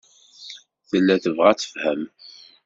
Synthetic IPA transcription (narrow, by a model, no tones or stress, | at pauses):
θəlːæθəvʁat͡sə̥fhæm